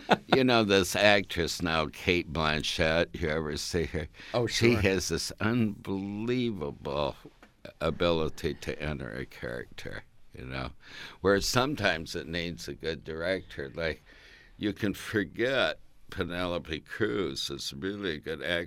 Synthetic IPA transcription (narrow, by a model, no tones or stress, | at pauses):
jɨnoʊðɪsæk̚tɹ̥ɨsnaʊkʰeɪt̚b̥læ̃nʃɛtɨɛvə˞siə˞ʃiɨzðɪsʌ̃nbəlivəbl̩ˠ | əbɪlˠəɾiɾɨ̰ʔɛ̃ntə̰˞ɨ̰kʰɛ̰ɹɨ̰k̚tʰə̰˞jɨ̰no̰ʊwə˞sʌ̃mtʰãɪ̃mzɨtⁿnẽɪ̃mzɨɡʊdə˞ɛk̚tʰə˞laɪk | jɨkʰɨ̃nfə˞ɡɛt̚pʰɨnɛlˠəpikʰɹ̥ʉz̥ɨtsɹɪlˠiɨɡʊɾæ